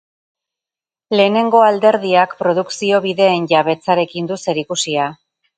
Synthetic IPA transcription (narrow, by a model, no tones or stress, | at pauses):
le̞ːne̞ŋɡo̞ald̪e̞ɾðiakpɾo̞ð̞uksio̞βiðe̞ːnʝaβe̞t͡saɾe̞kind̪use̞ɾikusia